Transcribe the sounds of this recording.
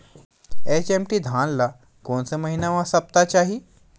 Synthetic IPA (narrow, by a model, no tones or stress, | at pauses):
et͡ɕemʈiːd̪ʱãnla | konseməɦinaʋãsəp̚t̪at͡ɕaɦi